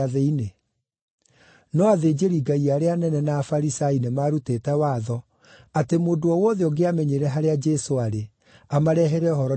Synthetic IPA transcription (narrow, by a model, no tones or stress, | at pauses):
ðeine | nɔaðeːd͡ʑeɾiɡaiaɾeanɛnɛnafaɾisainemaɾuteːtɛwaðɔ | atemoːdoɔwɔðeɔɡeamɛɲeɾɛɦaɾead͡ʒɛsoaɾe | amaɾɛɦɛɾɛɔɦɔɾɔ